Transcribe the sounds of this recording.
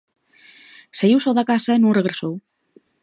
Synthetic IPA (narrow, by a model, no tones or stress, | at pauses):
seɣiwsowðakasaenunreɣ̞ɾesow